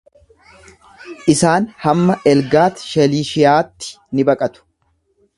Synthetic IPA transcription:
ʔɪsaːnhɐmːɐʔɛlɡaːt̪ʃɛliːʃɪjaːt̪ːɪ̥ | nɪbɐkʼɐt̪ʊ̥

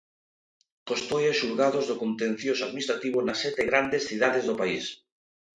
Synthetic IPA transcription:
kost̪ojesuɾɣað̞ozðokõnt̪ẽn̟θjosaðminist̪ɾat̪iβonasːɛt̪eɣɾand̪esθið̞aðezðopais

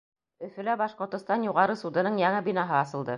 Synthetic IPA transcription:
ɵ̆fɵ̆læbɑʃqŏɾt̪ŏst̪ɑnjuʁɑɾɤsud̪ɤ̆nɤɴjæŋɘbinɑɦɤɑsɤ̆lˠd̪ɤ

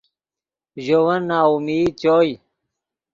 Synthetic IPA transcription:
ʑowɐnːaːumiːt͡ɕoːj

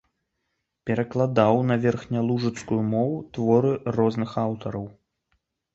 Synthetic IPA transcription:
pʲɛɾɐklˠad̪awnɐvʲɛrxnʲalˠuʐɨt̪skujumɔwut̪vɔɾɨrɔznɨxawt̪ɐɾɐw

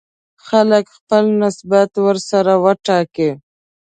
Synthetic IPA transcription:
xaləkxpəlnɪsbat̪wəɾsaɾawəʈɑki

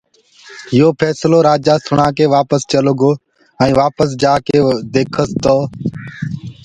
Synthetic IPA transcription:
ɦɪjoːpʰɛːsloːɾaːd͡ʒaːsʊɳaːkeːʋaːpəst͡ʃəloɡoː | ɛ̃ːʋaːpəs̬d͡ʒaːkeːd̪eːkʰəst̪oː

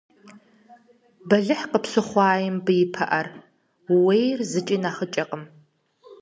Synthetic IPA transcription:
bɐɮɨħqəpsɨχʷɑːjɪmbɨjɪpʰɐ̰ʔɐr | wwejrzɨt͡ʃʼinaːχət͡ʃʼɐqʼəm

